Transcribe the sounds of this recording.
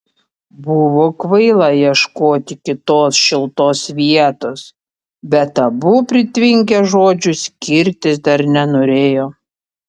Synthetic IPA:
bʊʋoːkʋɐɪlˠɑjiɛʃkoːt̪ʲɪkʲɪt̪oːsʃʲɪlˠt̪oːsʋʲiɛt̪oːs | bʲɛt̪ɐbʊpʲɾʲɪt̪ʲʋʲɪŋʲk̬ʲɛʒoːd͡ʒʲʊsʲkʲɪɾʲt̪ʲɪsd̪ɐɾnʲɛnoːɾʲeːjoː

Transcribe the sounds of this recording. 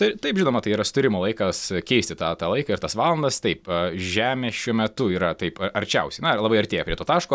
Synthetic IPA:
t̪ɐɪt̪ɐɪpʒʲɪnoːmɐt̪ɐɪiːɾɐsʊ̥t̪ʊɾʲɪmolˠɐɪkɐskʲɛɪsʲt̪ʲɪt̪ɑːt̪ɑːlˠɐɪkɐɪrt̪ɐsʋɑːlˠɐnd̪ɐst̪ɐɪpɐʒʲæːmʲeːʃʲuɔmʲɛt̪ʊiːɾɐt̪ɐɪpɐɐɾʲt͡ʃʲɛʊsʲɛɪnɐlˠɐːbɐɪɐɾʲt̪ʲeːjɛpɾʲiɛt̪oːt̪ɑːʃkoː

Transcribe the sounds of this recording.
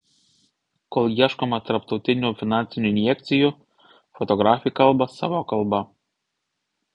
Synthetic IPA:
kolˠjiɛʃkomɐt̪ɐɾpt̪ɒʊt̪ʲɪnʲuːfʲɪnɑːˑnʲsʲɪnʲuːɪnʲjɛk̚ʲt̪sʲɪju | fɔt̪ɔɡɾɑːfʲɪjkɐlˠbɐsɑ̰ːʋokɐlˠˑbɐ

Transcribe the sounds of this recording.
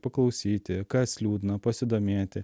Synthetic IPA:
pɐklˠɐʊsʲiːt̪ʲɪkɑːsʲlʲuːd̪ʲɪnɐpɐsʲɪd̪oːmʲeːt̪ʲɪ

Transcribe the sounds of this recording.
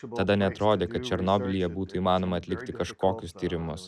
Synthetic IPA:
t̪ɐd̪ɐnʲɛɐt̪ɾoːd̪ʲeːkɐt̪̚t͡ʃʲɛɾnoːbʲɪlʲɪjɛbuːt̪ʊiːmɑːnoːmɐːt̪ʲlʲɪkt̪ʲɪkɐʃkoːkʲʊst̪ʲiːɾʲɪmʊs

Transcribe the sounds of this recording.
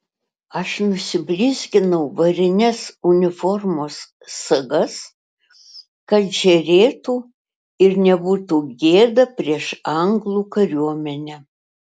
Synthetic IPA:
ɐʃnʊsʲɪbʲlʲiːzʲɡʲɪnɐʊʋɐɾʲɪnʲɛsʊnʲɪfɔɾmoːsː | ɐɡɐs | kɐt̪ʒʲɛɾʲeːt̪uː | ɪɾnʲɛbuːt̪uːɡʲeːd̪ɐpʲɾʲiɛʃɐŋɡlˠuːkɐɾʲuɔmʲɛnʲɛ

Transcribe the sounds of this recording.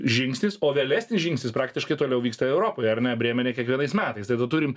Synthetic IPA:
ʒʲɪŋksʲnʲɪsoːʋʲeːlʲæːsʲnʲɪsʒʲɪŋksʲnʲɪspɾɑːk̚t̪ʲɪʃkɐɪt̪oːlʲɛʊʋʲiːkst̪ɐɛʊɾoːpoːjɐɾnʲɛbʲɾʲeːmʲɛnʲeːkʲiɛkʋʲiɛnɐɪsmʲæːt̪ɐɪst̪ɐɪd̪ɐt̪uɾʲɪm

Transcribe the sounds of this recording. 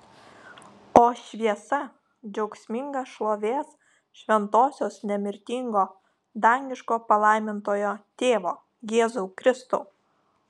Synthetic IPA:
oːʃʲʋʲiɛsɐ | d͡ʒʲɛʊksʲmʲɪŋɡɐʃlˠoːʋʲeːs | ʃʲʋʲɛnt̪oːsʲoːsnʲɛmʲɪɾʲt̪ʲiŋɡoː | d̪ɑŋʲɡʲɪʃkoːpɐlˠɐˑɪmʲɪnt̪oːjoːt̪ʲeːʋoː | jeːzuːkɾʲɪst̪ṵːˑ

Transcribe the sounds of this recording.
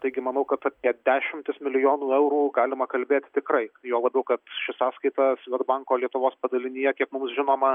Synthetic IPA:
t̪ɐɪɡʲɪmɐnɐʊkɐt̪ɐp̪ʲiɛd̪ʲæːʃʲɪmʲt̪ʲɪsmʲɪlʲɪjoːnuːɛʊɾuːɡɑːlʲɪmɐkɐlʲbʲeːt̪ʲt̪ʲɪkrɐɪjoːlˠɐbʲɛʊkɐt̪ʃʲɪsɑːskɐɪt̪ɐsʋʲɛt̪bɑːŋkoːlʲiɛt̪ʊʋoːspɐd̪ɐlʲɪnʲɪjɛkʲiɛkmʊmsʒʲɪnoːmɐ

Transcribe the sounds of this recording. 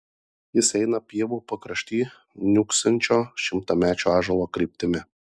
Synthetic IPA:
jɪsɛɪnɐpʲiɛʋuːpɐkɾɐʃʲt̪ʲiː | nʲʊksʲɐnʲt͡ʃʲoːʃʲɪmt̪ɐmʲæːt͡ʃʲuːɑːʒɐlˠoːkɾʲiːpʲt̪ʲɪmʲɪ

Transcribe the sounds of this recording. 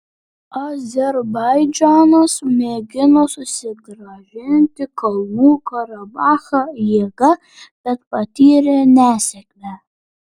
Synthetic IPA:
ɐzʲɛɾbɐjd͡ʒɑːnɐsmʲeːɡʲɪnoːsʊsʲɪɡɾɐʒʲɪnʲt̪ʲɪkɐlˠmuːkɐɾɐbɑːxɐjeːɡɐ | b̥ʲɛt̪pɐt̪ʲiːɾʲenʲæːsʲɛkʲlʲæ

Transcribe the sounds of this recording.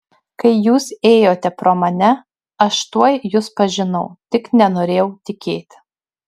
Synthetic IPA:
kɐɪjuːseːjoːt̪ʲɛpɾoːmɐnʲɛ | ɐʃt̪uɔjjʊspɐʒʲɪnɐʊt̪ʲɪknʲɛnoːɾʲeːjɛʊt̪ʲɪkʲeːt̪ʲ

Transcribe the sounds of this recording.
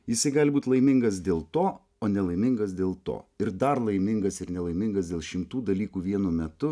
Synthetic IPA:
jɪsɐɪɡɑːlʲbuːt̪ʲlˠɐɪmʲɪŋɡɐs̬d̪ʲeːlˠt̪oː | oːnʲɛlˠɐɪmʲɪŋɡɐsd̪ʲeːlˠt̪o̰ːɪɾd̪ɐɾlˠɐɪmʲɪŋɡɐsɪɾnʲɛlˠɐɪmʲɪŋɡɐsdʲeːlˠʃʲɪmt̪uːd̪ɐlʲiːkuːʋʲiɛnʊmʲɛt̪ʊ

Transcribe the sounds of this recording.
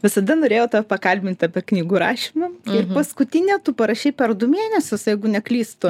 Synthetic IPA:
ʋʲɪsɐd̪ɐnoːɾʲeːjoːt̪ɑpɐkɐlʲbʲɪnʲt̪ʲɑpʲɛknʲiːɡuːɾɑ̰ːʃʲɪmɐɪrpɐskʊt̪ʲɪnʲɛt̪uːpɐɾɐʃʲɛɪpʲɛrd̪ʊmʲeːnʲɛsʲʊsjɛɪɡʊnʲɛklʲiːst̪ʊ

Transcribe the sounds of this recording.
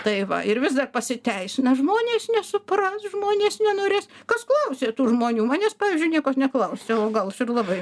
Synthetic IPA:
t̪ɐɪʋɐ̰ɪɾʋʲɪsd̪ɐrpɐsʲɪt̪ʲɛɪsʲɪnɐʒmoːnʲeːsnʲɛsʊprɐsʒmoːnʲeːsnʲɛnoːɾʲeːskɐsklˠɐʊsʲeːt̪uːʒmoːnʲuːmɑːnʲeːspɑːʋʲiːzʲd͡ʒʲʊɪnʲiɛkoːsnʲɛklˠɐʊsʲeoːɡɐlˠʃɪrlˠɑbɐɪ

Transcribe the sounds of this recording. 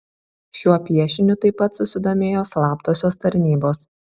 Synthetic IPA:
ʃʲuɔpʲiɛʃʲɪnʲʊt̪ɐɪpːɐt̪sʊsʲɪd̪oːmʲeːjoːslˠɑːpd̪oːsʲoːst̪ɐɾʲnʲiːboːs

